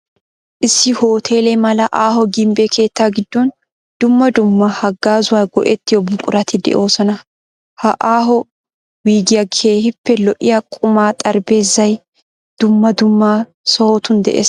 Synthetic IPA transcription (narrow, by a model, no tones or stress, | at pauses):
ʔɪsːɪho̞ːt̪ʰe̞ːlɛmɐlɐʔaːɦɔɡɪmbeːkʰe̞ːt̪ːaːɡɪd̪ːɔn | d̪̥ʊmːɐd̪ʊmːɐhɐɡːaːzʊwaːɡɔʔɛt̪ːɪjɔbʊkʼʊɾɐt̪ɪd̪ɛ̰ʔo̞ːsɔnɐ | hɐʔaːɦɔ | wiːɡɪjɐkʰe̞ːhɪpːɛlɔʔɪjakʼʊmaːt̪ʼɐɾbe̞ːzɐj | d̪̥ʊmːɐd̪ʊmːaː | sɔhot̪ʊnd̪ɛ̰ʔḛːs